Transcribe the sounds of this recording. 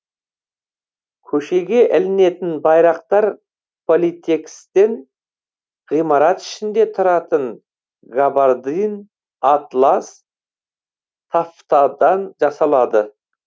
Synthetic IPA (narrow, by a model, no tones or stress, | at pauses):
kʲʰɵʃe̞ɡʲe̞ʔɪlɪne̞t̪ɪnbɑjɾɑq̚t̪ɑɾ | pʰo̞lit̪ʰe̞kst̪e̞n | ʁijmɑɾɑt̪ɪ̥ʃɪnd̪e̞t̪ʰʊɾɑt̪əɴ | ɡabaɾd̪in | at̪lˠɑs | t̪ʰaft̪ɑd̪ɑnʒɑsɑlˠɑd̪ə